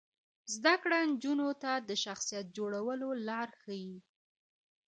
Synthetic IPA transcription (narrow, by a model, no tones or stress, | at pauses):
zd̪akɽand͡ʒunot̪ad̪əʃaxsijat̪̚d͡ʒoɽawəlolɑɾxaji